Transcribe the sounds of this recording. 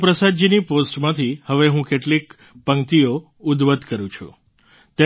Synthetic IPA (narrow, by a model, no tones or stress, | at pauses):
pɾəsad͡ʒiniposʈmãt̪ʰihəʋeɦũkeʈlik | pəŋt̪io | ud̪ʋəd̪kəɾũt͡ʃʰṵ̃ | t̪e